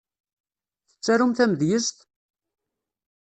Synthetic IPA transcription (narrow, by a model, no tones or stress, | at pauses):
θə̥t͡sːæɾumθæməðjəst̪